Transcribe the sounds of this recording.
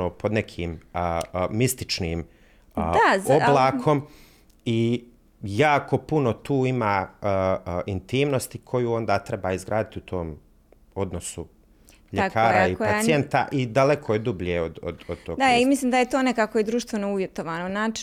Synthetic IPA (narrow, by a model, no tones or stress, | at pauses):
oːpʰod̪nekʰiːm | mist̪it͡ʃniːm | azoblaːkʰo̞m | i | jaːko̞punot̪uːimaː | int̪iːmno̞st̪ikʰo̞juːo̞nd̪aːt̪ɾe̞baːizɡɾaːd̪it̪iut̪ʰo̞ːm | o̞d̪nosu | ʎekʰaːɾaipasjent̪a̰ʔid̪alekʰojed̪ubʎeod̪o̰d̪od̪̥̚t̪oɡd̪aaimisliːmd̪ajet̪oːnekakojed̪ɾuːʃt̪ʋenouʋjet̪oʋaːnonaːt͡ʃ